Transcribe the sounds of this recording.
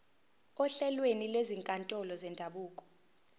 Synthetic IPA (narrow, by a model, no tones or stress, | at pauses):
ɔɬɛlwenilweziŋkʼantʼɔlɔzɛndʱaɓuːkʼɔ̥